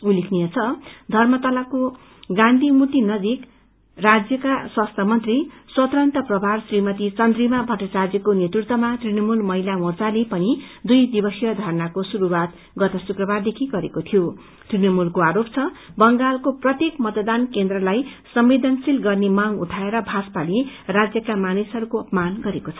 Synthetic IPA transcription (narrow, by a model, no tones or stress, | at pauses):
ulikʰnijʌt͡sʰʌd̪ʱʌrmʌt̪ʌlako | ɡãnd̪ʱimut̪inʌd͡zik | rad͡zjʌkaswast̪ʰamʌnt̪riswʌt̪rʌnt̪ʌprʌbʱarsrimʌt̪it͡sʌnd̪rimabʱʌʈʌt͡sad͡zjʌkonjet̪rut̪ʌmat̪rinʌmulmʌɦilamort͡salepʌnid̪ujd̪ibʌsijʌd̪ʱʌrnakosuɾuwat̪ | ɡʌt̪ʌsukrʌbard̪ekʰiɡʌɾekot̪ʰijo | t̪rinʌmulkoaɾop̚t͡sʰʌbʌŋɡalkoprʌt̪ekmʌt̪ʌd̪ankend̪rʌlajsʌmːed̪ʱʌnsilɡʌrnemaŋuʈʰaeɾʌbʱaspalirad͡zjʌkamanisɦʌɾukoʌpʌmanɡʌɾekot͡sʰʌ